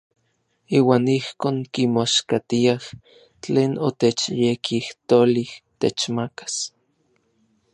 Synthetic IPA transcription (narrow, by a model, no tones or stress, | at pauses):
iːwaːnihkoːŋkimoʃkat̪iah | t͡ɬeːnot̪et͡ʃjekʰiht̪oliht̪et͡ʃmakḁs